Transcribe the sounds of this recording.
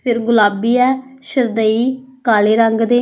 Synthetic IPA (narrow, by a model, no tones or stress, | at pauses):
pʰɪɾɡʊlaːbiːɛːʃəɾd̪əiːkaːleːɾəŋɡd̪eː